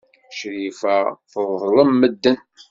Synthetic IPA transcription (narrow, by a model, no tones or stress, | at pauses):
ʃɾifæθəðːˤləmːəd̪ːən